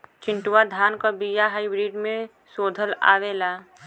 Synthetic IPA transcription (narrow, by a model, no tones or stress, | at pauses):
t͡ʃɪ̃ɳʈʊwad̪ʱaːnkəbijaɦaːɪbɾiːɖmẽ | soːd̪ʱəla̰ːʋeːlaː